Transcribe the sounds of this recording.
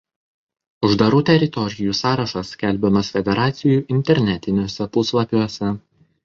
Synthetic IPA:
ʊʒd̪ɐɾuːt̪ʲɛɾʲɪt̪ɔɾʲɪjuːsɑːɾɐʃɐskʲɛlʲˑbʲɛmɐsfʲɛd̪ʲɛɾɑːt̪sʲɪjuːˑʔɪnʲt̪ʲɛɾʲnʲɛt̪ʲɪnʲuːsʲɛpʊslˠɐpʲuɔsʲɛ

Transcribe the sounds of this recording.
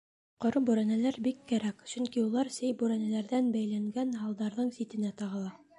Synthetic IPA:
qŏɾɤbʉɾænælæɾbikːæɾækʃɵŋkiulˠɑɾsɘjbʉɾænælæɾðænbæjlæŋɡænɦɑlˠd̪ɑɾðɤɴsit̪ɘ̆næt̪ɑʁɤ̆lˠɑ

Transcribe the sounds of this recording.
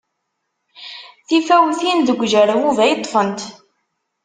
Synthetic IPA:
θifæwθinðəɡʷʒəɾəwuvæjət̪ˤːfənt̪

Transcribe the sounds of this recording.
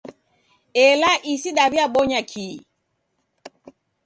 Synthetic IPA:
ɛlaʔisiɗaβjaɓɔɲakʰiː

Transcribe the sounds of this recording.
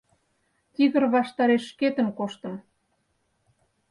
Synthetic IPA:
t̪iɣə̆rβɑʃt̪ɑɾeʃːket̪ə̆mkoʃt̪ə̆m

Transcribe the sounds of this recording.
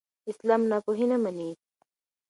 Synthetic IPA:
islaːmnakoɦinɐmɐni

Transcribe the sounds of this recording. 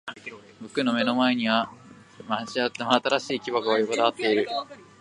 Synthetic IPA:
bokɯ̟no̞me̞no̞maeɲ̟iβa | maʑiat̪ːamoat̪aɾaɕiːkʲiβaɡɯojokod̪aβat̪ːe̞iɾɯ̟

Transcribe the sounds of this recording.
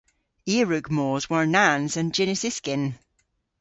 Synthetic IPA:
iɹʉɡmɔːzwə˞nãnzə̃nd͡ʒɪnɪsɪskɪ̃n

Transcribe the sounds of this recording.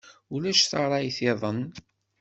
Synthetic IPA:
ulæʃθɑɾˤɑjθeðˤən

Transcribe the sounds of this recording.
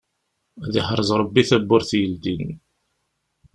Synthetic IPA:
ðiħɾˤəzˤɾˤəbːiθæbːʊɾθjəld̪in

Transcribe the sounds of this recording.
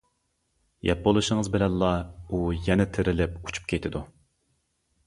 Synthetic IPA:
jɛp̚bolˠuʃəŋəzbɪlɛnlˠɑujɛnɛt̪ʰɪɾɪlɪpu̥t͡ʃʰu̥p̚kʲʰejt̪ʰɪd̪u

